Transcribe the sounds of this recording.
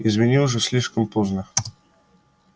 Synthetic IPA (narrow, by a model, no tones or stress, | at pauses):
ɪzmʲɪnʲilˠʐɨfsʲlʲiʂkəmpoznə